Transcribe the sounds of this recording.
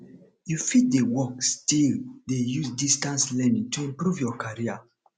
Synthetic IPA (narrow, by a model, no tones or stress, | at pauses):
jufit̚dewɔkstildejusdistãnslɛnĩŋtʰuĩmpɹuvjɔkʰaɹia